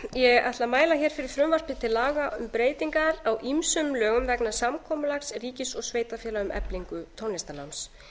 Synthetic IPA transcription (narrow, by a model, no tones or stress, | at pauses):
jɛɣaht̪lamaːjlaçɛɾ̥fɪɾɪɾ̥θɾʏmvar̥p̪ɪt̪ʰɪlːaːɣaʏmpɾeːjt̪iŋkaɾawʔimsʏmlœːɣʏmvɛknasamkʰɔːmʏlaksriːcɪsɔɣsveːjt̪afjɛːlaʏmʔɛ̰pliŋkʏt̪ʰɔnɪst̪anams